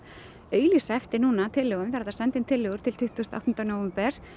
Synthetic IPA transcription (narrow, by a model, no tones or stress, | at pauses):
œːɥjlisaɛft̪ɪnuːnat̪ʰɪlːɛːɣʏmvɛɾðasɛnt̪ɪnt̪ʰɪlːɛɣʏɾ̥t̪ʰɪlt̪ʰʏht̪ʰuːst̪a̰wht̪ʏnt̪anowvɛɛmpɛɾ̥